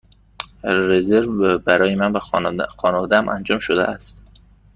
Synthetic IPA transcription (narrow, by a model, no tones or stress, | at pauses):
ɾezeɾvbæɾɒːjemænvæxɒːnevɒd̪ææmʔænd͡ʒɒːmʃod̪æ̰ʔæst̪